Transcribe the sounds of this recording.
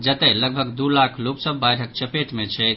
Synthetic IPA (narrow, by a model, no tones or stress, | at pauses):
d͡ʒət̪ɛləɡ̚bʱəɡd̪ulakʰloksəbːajʈʰək̚t͡ʃəpeʈmet͡ʃʰɛjt̪